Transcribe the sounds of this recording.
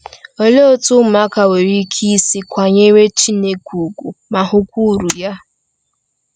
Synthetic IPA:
o˦le˦o˦tʊ˦m̩˦ma˦ka˨we˨ɾi˦kʰi˦si˦kʷa˨ɲe˦ɾe˦t͡ʃi˦ne˦kʰʷu˨ɡʷu˨ma˨ɦʊ˦kʷu˦˨ɾu˨ja˦

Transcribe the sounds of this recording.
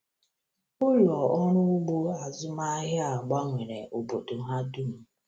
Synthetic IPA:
ʊ˦lɔ˨ɔ˦ɾʊ˦ʊ˦ɡ͡bo˦a˨zʊ˦ma˦ɦɪ˦a˨ɡ͡ba˦ŋʷe˨ɾe˨ʔo˨bo˨do˨ɦa˦dʊ˦m̩˨

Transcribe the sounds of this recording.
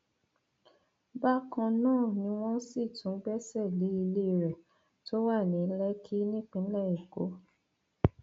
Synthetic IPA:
ba˦kã˧nãː˦˨nĩ˧˦w̃ɔ̃˦si˦˨tũ˨˦ɡ͡bɛ˦sɛ˦˨li˨˦i˧le˦˨ɾɛ˨ | to˦wa˦˨nĩ˨˦lɛ˦kʰi˦nĩ˦k͡pĩ˦lɛ˦˨i˨ɡo̰˨˦

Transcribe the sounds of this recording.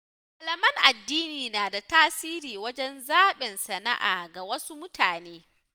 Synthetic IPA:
ha˨lɐ˨mɐ˦ŋʔa˨dːiː˦niː˨naː˨da˨taː˦siː˦ɾiː˨wɐ˦d͡ʒɛ˦nzaː˦ɓɪ˨nsɐ˨na̰˦ʔa̰ː˨ɡa˨wɐ˦su˦mʊ˦tʰaː˨neː˦

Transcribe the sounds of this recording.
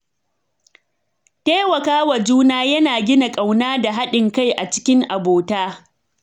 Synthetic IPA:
teː˦wɐ˨kaː˦wɐ˨d͡ʒuː˦naː˦jɐ˦naː˨ɡʲɪ˦na˨kʼa˨wnaː˦da˨ɦa˦ɗɪ˨ŋka˦jʔa˨t͡ʃɪ̥˦kʲɪ˦ŋʔa˨boː˨taː˦

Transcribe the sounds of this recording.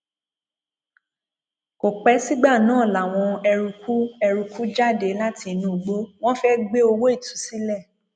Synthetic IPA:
ko˨k͡pɛ˨˦si˦ɡ͡ba˦˨nãː˦˨la˨w̃ɔ̃˧ɛ˧ɾu˧ku˦ɛ˧ɾu˧kʰu˦d͡ʒa˦˨de˨˦la˦ti˧nũ˨ɡ͡bo˦w̃ɔ̃˦fɛ˦ɡ͡be˦o˧wo˦i˦˨tu̥˨˦si˦lɛ˦˨

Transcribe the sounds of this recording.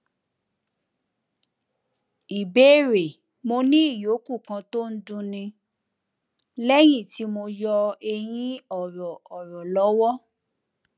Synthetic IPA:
i˨be˨˦˨ɾe˨ | mo˧nĩ˦i˦˨jo˨˦ku˦˨kã˧to˦n̩˦dũ˧nĩ˧ | lɛ˦j̃ĩ˦˨ti˨˦mo˧jɔ˧e˧j̃ĩ˦ɔ˨ɾɔ˨ɔ˨ɾɔ˨lɔ˨˦wɔ˦

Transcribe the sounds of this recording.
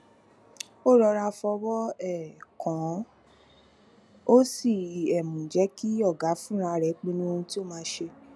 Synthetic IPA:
o˦˨ɾɔ˧ɾa˧fɔ˧wɔ˦ɛ˦˨kʰɔ̃˨ | o˦si˦˨ɛ˨mũ˨d͡ʒɛ˨˦ki˦ɔ˦˨ɡa˨˦fũ˦ɾ̃ã˧ɾɛ˨˦k͡pĩ˦nĩ˦o˧hũ˧ti˦o˦˨mãː˧˦ʃe˧

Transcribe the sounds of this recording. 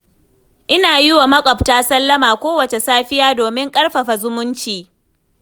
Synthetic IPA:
ʔɪ˦naː˨ji˦wa˨mɐ˦kʷʼɔ˨p̚taː˦sɐ˦lːɐ˦maː˨kʷoː˦wɐ˨t͡ʃe˨saː˦ɸɪ˦jaː˦doː˨mɪ˦ŋkʼɐ˦rɸɐ˨ɸa˨zʊ˦mʊ˦nt͡ʃiː˨

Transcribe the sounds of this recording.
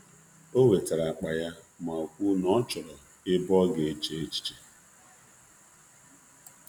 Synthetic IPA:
o˦we˨ta˨ɾa˨a˨k͡pa˨ja˦ | ma˨o˨kʷu˦nɔ˦t͡ʃɔ˨ɾɔ˨ | ɪ˦bɔ˦ɡe˨e˦t͡ʃe˦e˦t͡ʃi̥˨˦t͡ʃe˦

